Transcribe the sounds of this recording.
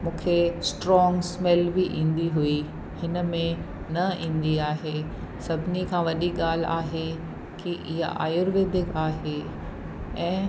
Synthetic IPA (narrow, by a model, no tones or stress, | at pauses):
mũːkʰesʈɾɔ̃ːŋɡsmɛlbiʔĩːn̆d̪iɦui | hɪnə̆mẽ | nɐĩːn̆d̪iaːɦe | sɐbʱɪnikʰãːʋɐɗiɠaːl̤a̰ːɦe | kiʔɪɦa̰ʔa̰ːjʊɾʋeːd̪ʱɪkaːɦe | ɛ̃ː